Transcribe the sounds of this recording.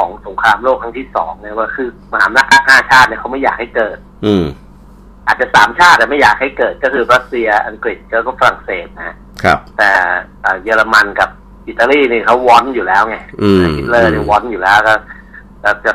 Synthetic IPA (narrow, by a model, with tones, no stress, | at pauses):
kʰɔː˩˦ŋso˩˦ŋkʰɾaː˧mloː˥˩k̚tʰŋt̪ʰiː˥˩sɔ̰ː˩˦ŋna˧˩waː˧˩kʰɯː˧ma˧ha̰ː˩˦m˧na˦˧˥k̚ʰːa˦˥k̪̚t̪ʰa˧a˧˩t͡ɕʰaː˥˩t̪̚ni˥˩kʰa˦˥wma˥˩jaː˨˩k̚ha˥˩jkɤː˨˩t̪̚ː | ʔaː˨˩t̪̚t͡ɕa˨˩saː˩˦mt͡ɕʰaː˥˩t̪̚ːɛ˨˩ma˥˩jːaː˨˩k̚ha˥˩jkɤː˨˩t̪̚kɔ˥˩kʰɯː˧ɾa˦˥t̪̚si˧ɐʔa˧ŋkɾi˨˩t̪̚kɔː˥˩kɔ˥˩fa˧ɾa˨˩ŋseː˨˩t̪̚na˦ha˦˥ | kʰt̪ɛː˨˩ʔəː˨˩jɤː˧la˧ma˧nka˨˩p̚ | ʔi˨˩t̪ːa˧liː˥˩niː˧˩kʰa˦˥wːɔ˦˥njuː˨˩lɛː˦˥wŋa˧˥˩a˨˧˩i˦t̪̚lɤː˥˩niː˧˥˩wɔ˦˥njuː˨˩lɛː˦˥wkɔː˥˩ | kɔ˥˩t͡ɕa˨˩